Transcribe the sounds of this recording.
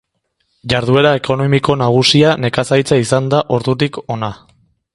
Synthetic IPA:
ʝaɾðue̞ɾae̞ko̞no̞miko̞naɣ̞usiane̞kasajt͡saisand̪aʔo̞ɾðut̪̬iko̞na

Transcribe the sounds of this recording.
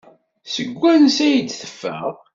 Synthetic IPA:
səɡʷːænsæjəd̪θə̥fːə̰ʁˤ

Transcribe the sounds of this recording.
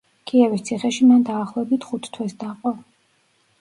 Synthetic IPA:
kʰʼiɛvist̪sʰiχɛʃimand̪aːχlˠɔɛbit̪ʰχut̪ʰt̪ʰwɛsd̪aqʼɔ

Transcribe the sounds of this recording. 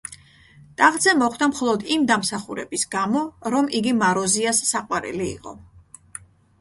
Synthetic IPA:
t̪ʼaʁd̪zɛmɔχd̪amχɔlˠɔd̪imd̪amsaχuɾɛ̰bisɡamɔɾɔmiɡimaɾɔziasːaqʼwaɾḭlḭːqʼɔ̰

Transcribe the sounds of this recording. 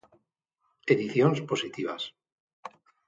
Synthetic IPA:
eðiθjonspo̞sit̪iβa̰s

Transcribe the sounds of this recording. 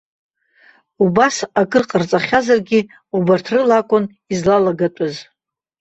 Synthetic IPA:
ubasakʼɨrqʼart͡sʼaχʲazarɡʲɪ | ubartʰrɨlakʷʼʊn | izlalaɡatʷʼʊz

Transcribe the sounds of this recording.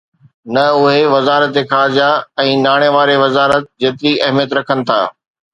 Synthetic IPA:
nɐʊɦeʋɐzaːɾət̪exaːɾd͡ʑaɛ̃ːnaːɽ̃eʋaːɾeʋɐzaːɾət̪̚d͡ʑeːt̪ɪɾiʔɐɦmijət̪ɾɐkʰənɪ̆t̪ʰa̰ː

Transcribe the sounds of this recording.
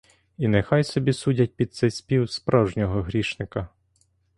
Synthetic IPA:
inɛxɑjsɔbʲisudʲɐt̚ʲpʲid̪̚t̪sɛjsʲpʲiwspɾɑwʒnʲɔɦɔɦɾʲiʃnɪkɐ

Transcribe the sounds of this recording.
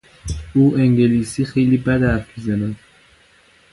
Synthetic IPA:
uːʔeŋɟeliːsiːxejliːbæd̪æfizænæd̪

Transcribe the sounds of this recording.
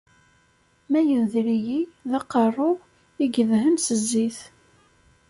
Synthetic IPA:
mæjənðɾijiðɑqːərˤːʊ | iɡəðɦənsəzːiθ

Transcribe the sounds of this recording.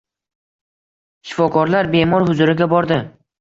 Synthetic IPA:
ʃɪ̥fɒkʰɒɾlaɾbe̞mɒɾhʊzʊɾɪɡʲabɒɾd̪ɪ

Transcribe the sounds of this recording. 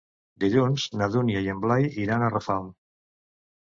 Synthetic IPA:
d̪eʎunznaðunjajemblajiɾanarafawm

